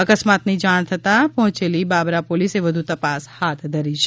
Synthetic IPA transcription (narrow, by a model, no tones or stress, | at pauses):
əkəsmat̪nid͡ʒaɽ̃t̪ʰət̪apɔɦʊ̃t͡ʃelibabɾapoliseʋəd̪ʱut̪əpashat̪ʰd̪ʱəɾit͡ʃʰ